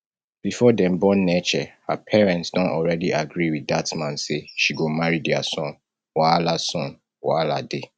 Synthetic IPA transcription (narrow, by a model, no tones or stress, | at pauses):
b̥ifɔdɛ̃mbɔ̃nːɛt͡ʃɛhapʰɛɹɛ̃ntsdɔ̃ntɔlɹɛdiʔaɡɹiwidatmãnseʃiɡomaɹidɛa̰sɔ̃n | walasɔ̃n | walade